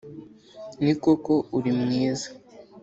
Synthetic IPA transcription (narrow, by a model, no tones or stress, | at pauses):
nikoko̞uɾimŋiːza